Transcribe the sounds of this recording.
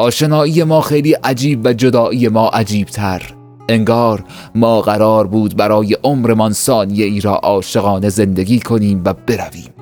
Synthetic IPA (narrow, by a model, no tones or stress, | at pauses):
ʔɒːʃe̞nɒːiːje̞mɒːxejliːʔæd͡ʒiːbvæd͡ʒod̪ɒːʔiːje̞mɒːʔæd͡ʒiːb̥̚t̪ʰæɾ | e̞ŋɡɒːɾmɒːɣæɾɒːɾbuːd̪̚bæɾɒːje̞ʔomɾemɒnsɒːnije̞iːɾɒ̰ːʔɒːʃe̞ɣɒːne̞ze̞nd̪e̞ɡʲiːkʰo̞niːmvæbe̞ɾæviːm